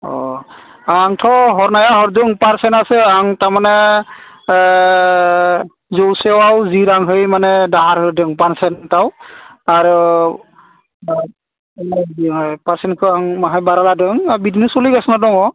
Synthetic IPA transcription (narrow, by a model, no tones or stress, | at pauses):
ɔ̰ | aŋtʰɔɦɔɹnajaɦɔɾdɯŋpaɹsɛnasɯaŋtamanɛ | zɔwsɛwawziɾaŋɦɯjmanɛdaɦaɾɦɯdɯŋpansɛntawaɹu | paɹsɛnkʰɯaŋmaɦajbaɾaladɯŋabidinesuliɡasnadɔŋɔ